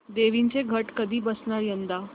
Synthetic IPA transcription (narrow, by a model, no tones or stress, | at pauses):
d̪eʋint͡seɡʱəʈkəd̪ʱiːbəsɳaɾjənd̪a